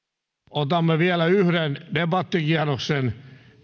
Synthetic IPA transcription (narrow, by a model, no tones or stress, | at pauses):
ot̪ɑmːeʋiælæyhɾendebɑt̪ːikiɑroksen